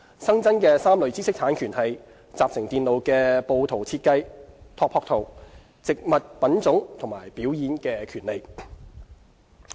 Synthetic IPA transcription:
sɐ˥ŋt͡sɐ˥nkɛː˧saː˥mlɵ˨˧ɥt͡siː˥sɪ˥k̚t̪ʰaː˨˥nkʰyː˨˩nhɐ˨j | t͡saː˨p̚sɪ˨˩ŋt̪iː˨nlo˨˧wkɛː˧po˧wt̪ʰo˨˩wt͡sʰiː˧t̚kɐ˥jt̪ʰɔː˧kpʰːɔː˧k̚t̪ʰo˨w | t͡sɪ˨k̚mɐ˨t̚pɐ˨˥nt͡sʊ˨˥ŋt̪ʰʊ˨˩maː˨˩jpiː˨˥wjiː˨˥nkɛː˧kʰyː˨˩nle˨˧j

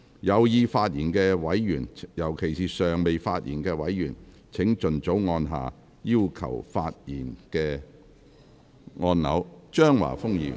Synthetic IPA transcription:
jɐ˨˧wjiː˨˧faː˧t̚jiː˨˩nkɛː˧wɐ˨˥jjyː˨˩njɐ˨˩wkʰe˨˩jsiː˨˩sœː˨ŋme˨jfaː˧t̚jḭː˨˩nkɛː˧wɐ˨˥jyː˨˩n | t͡sʰɪ˨˥ŋt͡ʃɵ˨nt͡so˨˥wŋɔː˧nɦa̰ː˨ | jiː˥wkʰɐ̰˨˩wfaː˧t̚jiː˨˩nkɛː˧ | ŋɔː˧nlɐ̰˨˥wt͡ʃœː˥ŋwa̰ː˨˩fʊ˥ŋjḭː˨m

